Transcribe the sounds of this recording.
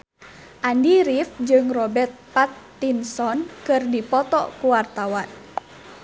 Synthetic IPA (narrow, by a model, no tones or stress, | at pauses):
ʔandiɾifd͡ʒɨŋrɔbɛrt̪̚pat̪ːinsɔnkɨrdipɔt̪ɔkuwart̪awan